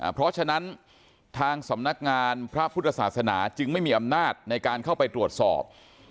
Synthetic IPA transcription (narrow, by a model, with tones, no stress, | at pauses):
pʰɾɔ˦˥t͡ɕʰa˧na˦˥n | t̪ʰaː˧ŋsa˩˦mna˦˥k̚ŋaː˧npʰɾa˦˥pʰu˦˥˩t̪ʰːa˧saː˨˩t̪̚sa˧na̰ː˩˦t͡ɕɯ˧ŋma˥˩jmiː˧ʔa˧mnaː˥˩t̪̚na˧jkaː˧nkʰa˥˩wpa˧jt̪ɾu˨˩ət̪̚sɔ̰ː˨˩p̚